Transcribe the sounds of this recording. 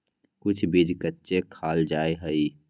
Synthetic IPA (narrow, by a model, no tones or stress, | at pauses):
kʊt͡ʃʰbid͡ʒkətːʃekʰaːld͡ʒaːeɦəi